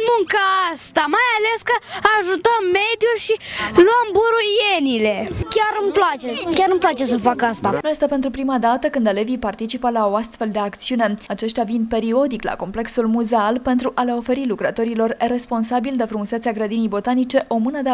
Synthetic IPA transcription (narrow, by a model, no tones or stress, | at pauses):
muŋkəast̪amajale̞skəaʒut̪əmːe̞d̪julʃiluəmbuɾujenile̞kʲaɾɨmplat͡ʃekʲarnumplat͡ʃe̞səfakast̪anujest̪ape̞nt̪ɾupɾimad̪at̪əkɨnd̪ele̞vipart̪it͡ʃipəlao̞ast̪fe̞ld̪e̞akt̪siune̞at͡ʃe̞ʃt̪ʲjavinpe̞ɾio̞d̪ikla̰ko̞mple̞ksulmuzealpe̞nt̪ɾuʔale̞o̞fe̞ɾilukɾət̪o̞ɾilo̞rre̞spo̞nsabild̪e̞fɾumuset̪seaɡɾəd̪inijbo̞t̪anit͡ʃe̞ʔo̞mɨnəd̪e